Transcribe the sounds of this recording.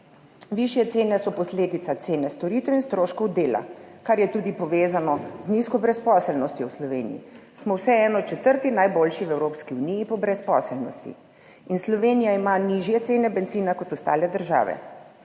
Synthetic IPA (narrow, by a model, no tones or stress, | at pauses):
ʋiʃjɛt̪seːnɛsɔpɔsleːd̪it̪sat̪seːnɛst̪ɔɾiːt̪ɛwinst̪ɾoːʃkɔwd̪eːla̰kaɾjɛt̪uːd̪ipɔʋeːzanɔzniskɔbɾɛspɔːsɛlnɔst̪jɔwslɔʋeːnḭjḭsmɔwsɛɛːnɔt͡ʃɛt̪əɾt̪inajboːlʃiwɛwɾoːpskiunijipɔbɾɛspɔsɛlnɔst̪ḭ | inslɔʋeːnijaimaniʒjɛt̪seːnɛbɛnziːnakɔt̪ɔst̪a̰ːlɛd̪əɾʒa̰ːʋɛ̰